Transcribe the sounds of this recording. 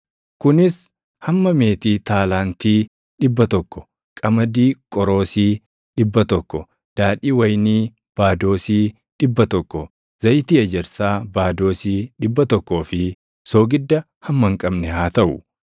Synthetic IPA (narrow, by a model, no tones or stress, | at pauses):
kʊnɪs | hɐmːɐme̞ːt̪iːt̪aːlaːnt̪iː | ᶑɪbːɐt̪ɔkːɔ̥ | kʼɐmɐd̪iːkʼɔɾo̞ːsiː | ᶑɪbːɐt̪ɔkːɔ | d̪̥aːᶑiːwɐjniː | b̥aːd̪o̞ːsiː | ᶑɪbːɐt̪ɔkːɔ | z̥ɐjt̪iːɐd͡ʒɛɾsaːbaːd̪o̞ːsiːᶑɪbːɐt̪ɔkːo̞ːfɪ | so̞ːɡɪd̪ːɐ | hɐmːɐŋkʼɐbnɛhaːt̪ɐʔʊ̰